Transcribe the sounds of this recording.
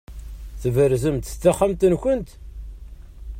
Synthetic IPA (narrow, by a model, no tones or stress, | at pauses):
θəvəɾzəmt̪t͡sːæχamt̪ənçənt̪